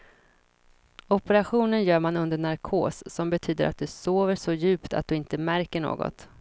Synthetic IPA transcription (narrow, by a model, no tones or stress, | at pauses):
ɔpɛɾaɧuːnənjœːɾmanɵnd̪əɳaɾkʰo̰ːsːɔmbɛt̪ʰyːd̪əɾʔat̪̚d̪ɵsoːvəʂɔjʉ̟ːpt̪ʰa̰t̪̚d̪ɵɪnt̪əmæɾkəɳo̰ːɡɔ̰t̪